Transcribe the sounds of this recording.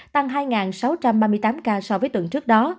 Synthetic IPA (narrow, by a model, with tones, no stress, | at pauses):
t̪a˧ŋɦaː˧jŋaː˨˩nsa˨˦wt͡ɕa˧mɓaː˧mɨ˧əjt̪aː˨˦mkaː˧sɔ˧vəː˨˦jt̪wɨ̰˧˨əŋt͡ɕɨ˦˥ək̚ɗɔ˨˦